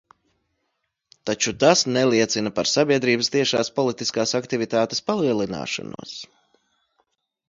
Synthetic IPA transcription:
t̪at͡ʃut̪asnɛlˠiɛt̪sinapaɾsabiɛd̪ɾiːbəst̪iɛʃaːspɔlˠit̪iskaːsakt̪ivit̪aːt̪espalˠiɛlˠina̰ːʃa̰nṵɔs

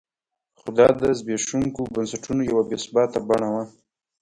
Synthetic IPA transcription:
xʊd̪ɑd̪əzbeʃuŋkobansaʈunojawabesbɑt̪abaɳawa

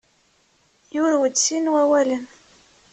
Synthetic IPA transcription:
jʊɾwəd̪sinwæwælən

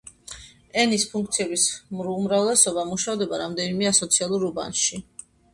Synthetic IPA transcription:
ɛnispʰuŋk̚ʰt̪sʰiɛbismumɾavlɛsɔbamuʃavd̪ɛbaɾamd̪ɛnimɛasɔt̪sʰialˠuɾuba̰nʃi

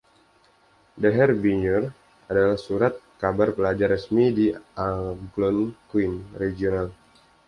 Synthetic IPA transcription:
dɛɦɛrbiɲɔr | ʔadalahsuɾat̪̚kabarpəlad͡ʒarəsmidiaɡlɔnkwinreɡional

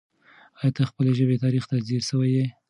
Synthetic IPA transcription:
ɑjɑt̪axpəleʒəbet̪ɑɾixt̪aziɾʃəwaje

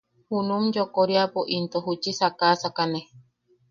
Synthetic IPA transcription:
hunũmd͡ʒokoɾiapoʔint̪oɦut͡ʃisakasakane

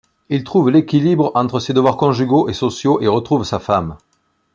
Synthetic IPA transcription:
ilt̪χuvlekʲilibʁɑ̃t̪χəsed̪əvwaʁkɔ̃ʒyɡoʔesosjoʔeʁət̪χuvsafam

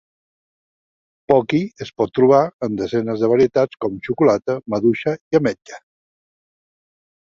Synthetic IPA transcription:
pɔkiəspɔt̪ːɾuβ̞aənd̪əzɛnəzðəβ̞əɾiət̪at͡skɔmt͡ʃukulat̪əməðuʃəiəmɛd͡ʒə̥

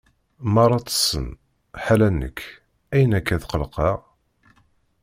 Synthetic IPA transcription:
mɑrˤːɑt͡sːə̥sːə̰n | ħalænːə̰kː | æjənækːæθqəlqɑʁ

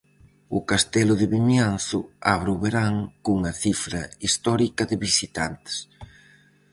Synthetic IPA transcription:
ʊ̰kast̪ɛlʊðɪβimjanθʊa̰βɾʊβeɾaŋkuŋɐθifɾɐ̰ist̪ɔɾikɐðɪβisit̪ant̪ɪ̥s

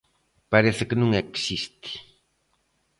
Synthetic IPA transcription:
paɾeθɪkɪnũŋeksist̪i̥

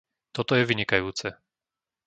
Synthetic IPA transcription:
t̪ɔt̪ɔjɛʋiɲikajuːt͡sɛ

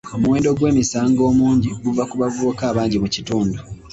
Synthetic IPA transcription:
omuweːndo̞ɡwe̞ːmisaːŋɡo̞ːmuːɲɟiɡuvakuβavoːkaːβaːɲɟimucituːndu

